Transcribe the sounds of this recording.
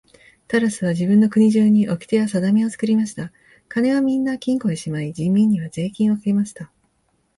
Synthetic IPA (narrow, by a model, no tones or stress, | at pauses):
t̪aɾasɨβad͡ʑibɯ̟̃nːo̞kɯ̟ɲ̟iʑɨːɲ̟iʔo̞kʲi̥t̪e̞jasad̪amʲio̞t͡sɨ̥kɯ̟ɾʲimaɕi̥t̪a | kane̞βamʲĩnːakʲĩŋko̞eɕimaid͡ʑĩmʲːĩɲ̟ːiβaze̞ːkʲĩɰ̃o̞kɨɾʲimaɕi̥t̪a